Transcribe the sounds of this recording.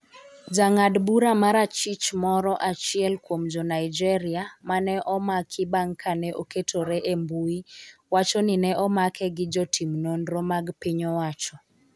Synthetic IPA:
d͡ʒaŋadbuɾamaɾat͡ʃit͡ʃmɔɾɔʔat͡ʃɪɛlkwomd͡ʒɔnajd͡ʒɛɾɪamanɛʔɔmakʰɪbaŋkʰanɛʔoketʰoɾɛʔembuiwat͡ʃɔninɛʔɔmakʰɛɡɪd͡ʒɔtʰimnonɾɔmaɡpɪɲɔwat͡ʃɔ

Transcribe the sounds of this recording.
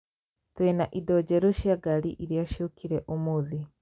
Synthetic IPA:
twenaʔidɔd͡ʑɛɾoʃjaɡaɾḭʔiɾeaʃjokʰiɾɛʔomoði

